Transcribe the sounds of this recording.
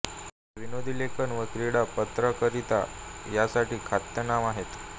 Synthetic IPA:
ʋinod̪ʱilekənʋəkɾiɽapət̪ɾəkəɾit̪a̰jasaʈiːkʰat̪jənaʋaɦet̪

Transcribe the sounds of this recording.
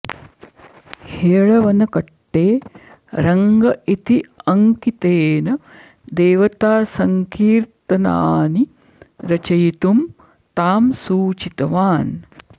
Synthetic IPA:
heːɭɐʋɐnɐkɐʈːeː | ɾɐŋɡɐʔit̪iɐŋkit̪eːnɐ | d̪eːʋɐt̪aːsɐŋkiːɾt̪ɐna̰ːni | ɾɐt͡ʃɐjit̪um | t̪aːmsuːt͡ʃit̪ɐʋaːn

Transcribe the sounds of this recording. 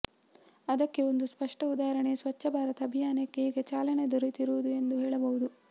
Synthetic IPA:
ɐd̪ɐkːe̞o̞nd̪uspɐʂʈɐud̪aːɦɐɾɐɳe̞sʋɐt͡ʃːɐbʱaːɾɐt̪ɐɐbʱijaːnɐkːeeːɡɐt͡ʃaːlɐned̪oɾit̪iɾuʋud̪ue̞nd̪uɦeːɭɐbɐʋud̪u

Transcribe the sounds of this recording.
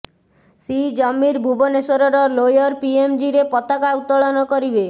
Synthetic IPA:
sid͡ʒɔmːiɾbʱubɔnesɔɾɔɾɔlojɔɾpiemd͡ʒiɾepɔt̪akaut̪ːɔɭɔnɔkoɾibe

